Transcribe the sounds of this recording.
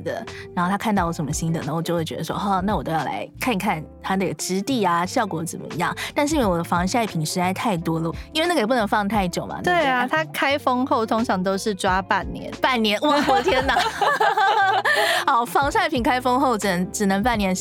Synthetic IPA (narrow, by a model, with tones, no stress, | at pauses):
d̪ə̰˩a˧˥xo˥˩t̪ʰa˥kʰa˥˧nt̪ɑ˥˩ʊwɔ˧˥˩ʂə˨˩mə˦ɕi˥nd̪ə̰˨na˥˩˨wɔ˨˩t͡ɕjo˥˧xwe˥˩t͡ɕɛ˧˥d̪ə˧˩wɔ̰˦ɔ˥˩na˥˩wɔ˨˩t̪o˥jɑ˥˩la̰˧˥ɪkʰa˥˩n˧˥kʰa˥˩nt̪ʰa˥d̪ə˧˥˩ə˩ʈ͡ʂɻ̩˧˥t̪i˥˩a˩ɕjɑ˥˩ʊkwɔ˧˥t͡sə̰˨˩mə̰˦ḭ˧jɑ̰˥˩ŋt̪a˥˧nʂ̬ɻ̩˥˧˥we˥˩wɔ˨˩d̪ə˦fɑ˧˥ŋɕja˥˩pʰi˨˩nʂɻ̩˧˥t͡sa˥ɪt̪ʰa˥˩ɪt̪wɔ˥lə˨˩i˥nwe˥˧na˥˩˧p̬u˥˩nə˧˥ŋfɑ˥˧ŋt̪ʰa˥˧ɪ˥˩t͡ɕjo˨˩ʊma̰˨t̪we˥˩ɪa˩t̪ʰa˥kʰa˥ɪfɤ˥ŋxo˥˩ʊt̪ʰo˥ŋʈ͡ʂʰɑ˧˥ŋt̪̬o˥ʊʂɻ̩˥˨˩ʈ͡ʂwa˥pa˥˩nnjɛ̰˧˦npa˥˩nnjɛ˧˥nwɔ˨˥˩kwɔ˥t̪ʰjɛ˥na˨˩ | ɑ˨˩ʊfɑ˧˥ŋɕa˥˧ɪpʰi˨˩ŋkʰa˥ɪfɤ˥ŋxo˥˩ʊʈ͡ʂɻ̩˨˩nə˧˥ŋʈ͡ʂɻ̩˨˩nə˧˥ŋpa˥˩njɛ˧˥n